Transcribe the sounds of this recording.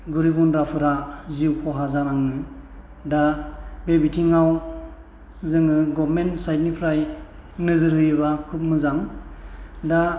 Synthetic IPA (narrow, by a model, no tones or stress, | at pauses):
ɡuɾibunɾapʰɯɾaziwkʰɔɦazanaŋɯ | dabebitʰiŋaw | zɯŋɯɡɔbmensajt̚nipʰɾaj | nɯzɯɾhɯjɯβakʰɯp̚mɯzaŋ | da